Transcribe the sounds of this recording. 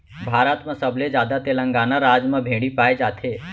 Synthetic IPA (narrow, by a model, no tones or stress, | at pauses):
bʱaːɾət̪mə̃səbled͡ʒaːd̪at̪elə̃ŋɡaːnaɾaːd͡ʒmə̃bʱeɽipaːed͡ʒaːt̪ʰe